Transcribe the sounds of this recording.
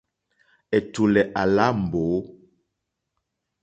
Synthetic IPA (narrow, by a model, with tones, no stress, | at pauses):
ɛ˨tu˨lɛ˨ʔa˨la˦m̩˨boː˨˦